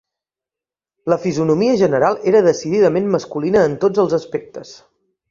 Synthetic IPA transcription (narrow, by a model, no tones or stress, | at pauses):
ləfizunumiəʒənəɾalˠeɾəðəsiðiðəmenməskulinəːnt̪od͡zəlˠzəspek̚t̪əs